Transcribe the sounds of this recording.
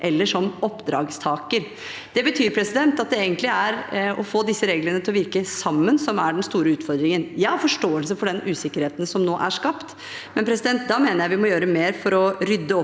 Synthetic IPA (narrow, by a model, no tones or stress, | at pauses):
ʔɛlːəʂɔmɔpːd̪ɾɑ̰ːɡst̪ʰɑːkəɾ | d̪̥ɛbət̪ʰyːɾpʰɾɛsɪd̪ɛnt̪ɑt̪̚d̪ɛeːɡənt̪lɪæɾɔ̰foːd̪ɪsːəɾeːɡlənət̪ʰɪlɔʋɪɾkəsɑmːənsɔmæɖɛnst̪uːɾəʉːt̪fɔɾd̪ɾɪŋənjæhɑɾfɔʂʈoːəlsəfɔɖɛnʔʉːsɪkːəɾheːt̪n̩sɔmnoːʔæʂkɑpt̪ | mɛnpɾɛsɪd̪ɛnt̪̚d̪ɑmeːnəɾjæɪʋɪmɔjøːɾəmeːɾfɔɾɔɾʏd̪ːəɔ